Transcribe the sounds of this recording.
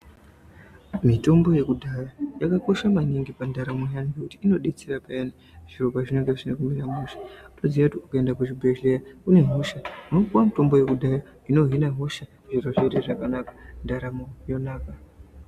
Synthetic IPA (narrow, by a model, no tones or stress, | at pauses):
mito̞mbo̞je̞kudʱajojakako̞ʃamaniŋɡipandaɾamojaŋɡekutiino̞ɗet͡serapaani | ʐ̥iropaʐine̞ŋɡeʐinekuminamuʃḁu̥toziʋakutiukae̞ndakuʐibʱeʒejakune̞ɦoʃauno̞kuwamito̞mbo̞je̞kudʱajo | ino̞ɦinaɦoʃa | uʐiroʐeɾeʐakanakḁndaɾamo̞jo̞naːka